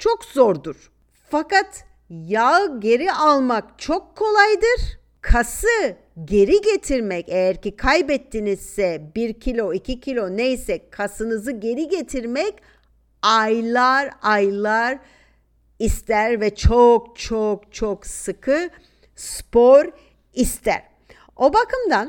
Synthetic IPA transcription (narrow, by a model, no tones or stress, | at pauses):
t͡ʃʰokzoɾd̪uɾ̥ | fakat̪ | jaɟe̞ɾiʔalˠmakt͡ʃʰokʰːo̞lˠajd̪ɯɾ̥ | kʰasɯ | ɟe̞ɾiɟe̞t̪ʰiɾmɛcejæɾcikʰajbɛt̪ʰːinizsɛbiɾcʰilʲo̞icʰicʰilʲo̞nejsɛkʰasɯnɯzɯɟe̞ɾiɟe̞t̪ʰiɾmɛc | ajlˠaɾajlˠaɾ | ist̪ʰæɾvɛt͡ʃʰokt͡ʃʰokt͡ʃʰoksɯkʰɯ | spoɾ | ist̪ʰæ̰ɾ̥ | o̞bakʰɯmd̪an